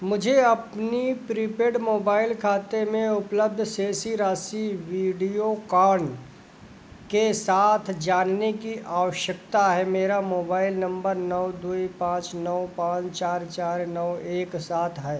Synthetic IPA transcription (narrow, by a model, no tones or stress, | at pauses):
mʊd͡ʒʱeɐpnipɾipeːɖmoːbaːɪlkʰaːt̪emẽʊpləb̚d̪ʱseːsiɾaːsiʋiːɖijokaːɾɳ | kesaːt̪ʰd͡ʒaːnnekiʔaːʋəʃjək̚t̪aɦɛmeːɾamoːbaːɪlnɐ̃mbəɾnɔwd̪uːipãːt͡ʃnɔʊpãːt͡ʃt͡ʃaːɾt͡ʃaːɾnɔʊeːksaːt̪ʰɦɛː